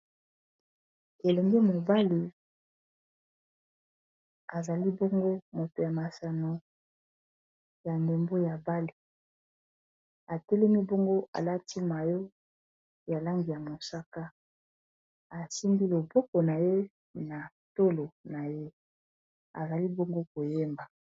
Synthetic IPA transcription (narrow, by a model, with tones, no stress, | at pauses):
e˨le˨ŋɡe˦mo˨ba˦li˨ | a˨za˨li˦bo˦ŋɡo˦mo˨to˨ja˨ma˨sa˨no˨ | ja˨nde˨mbo˦ja˨ba˦li˨ | a˨tɛ˦lɛ˦mi˦bo˦ŋɡo˦ʔa̰˨la˦ti˦ma˨jo˦ | ja˨la˦ŋɡi˨ja˨mo˨sa˦ka˦ | a˨si˦ndi˦lo˨bɔ˦ko˨na˨je˦ | na˨ | to˦lo˨na˨je˦ | a̰˨za˨li˦bo˦ŋɡo˦ko˨je˦mba˨